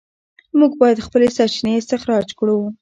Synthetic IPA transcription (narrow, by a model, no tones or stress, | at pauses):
muɡbɑjad̪xpəlesat͡ʃineɪst̪ɪxɾɑd͡ʒkɽu